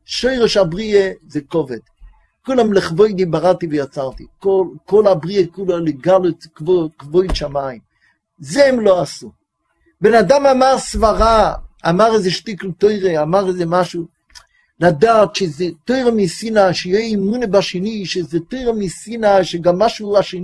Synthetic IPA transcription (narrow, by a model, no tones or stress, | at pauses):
ʃoɪʁeʃabʁiezekɔvɛd̥ | kulamlɪχvoɪdibaʁativɛjat͡saʁtikolkolabʁiekulaleɡalokvokvojdʃamaim | zɛmloasu | benadamamaʁsvaʁaamaʁezeʃtikl̩toɪʁeamaʁezemaʃu | ladaːtʃezetoɪʁemisinaʃejɛimunebaʃeniʃezetoɪʁemisinaʃeɡamːaʃuaʃe